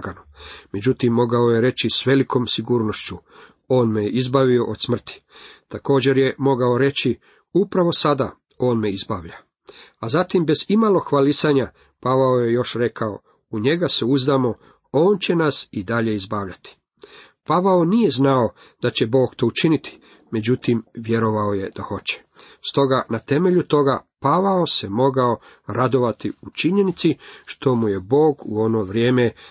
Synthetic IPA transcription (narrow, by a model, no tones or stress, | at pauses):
ɡanume̞d͡ʑut̪imːo̞ɡaoje̞ɾe̞t͡ɕisʋe̞liko̞ːmsiɡuːɾno̞ʃt͡ɕu | o̞ːnmejeʔizbaʋio̞ʔod̪smr̩t̪i̥t̪ako̞ːd͡ʑe̞ɾje̞mo̞ɡao̞ɾe̞t͡ɕi | upɾaʋo̞sad̪a̰ | o̞ːnme̞izbaːʋʎa | azat̪imbe̞zimalˠo̞xʋalisaɲa | paʋaoje̞jo̞ʃɾe̞kao̞̰ | uɲe̞ɡaseuzd̪aːmo̞ | o̞ːnt͡ɕe̞nasid̪aʎe̞izbaːʋʎat̪i̥ | paʋaonije̞znao̞ | d̪̥at͡ɕe̞bo̞ːɡt̪o̞ːut͡ʃinit̪ʰi̥ | me̞d͡ʑut̪imʋje̞ɾo̞ʋaoje̞d̪axo̞t͡ɕe̥ | st̪o̞ɡanat̪e̞me̞ʎut̪o̞ɡapaʋaose̞mo̞ɡao | ɾad̪o̞ʋat̪iut͡ʃiɲe̞nit̪siʃt̪o̞muje̞bo̞ːɡuo̞no̞ʋɾje̞ːme